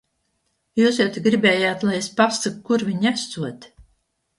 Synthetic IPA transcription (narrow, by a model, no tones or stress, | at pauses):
juːsjɛwt̪iɡɾibɛːjaːt̪lˠajespasakkuɾvʲiɲæst̪suɔt̪ʲ